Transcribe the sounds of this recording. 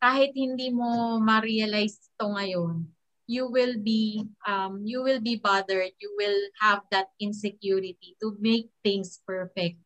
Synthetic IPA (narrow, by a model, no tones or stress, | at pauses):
kaːhɪt̪̚hɪnd̪iːmo̞mɐɾiɐlajst̪oŋɐjon | juwɪlbiʔɐmjuwɪlbibɐd̪ɛɹd̪̚juwɪlhɐvd̪ɐt̪̚ɪ̃nsɛkjuɾɪt̪it̪ʊmejk̚θɪ̃ŋspɛɹfɛk̚t̪̚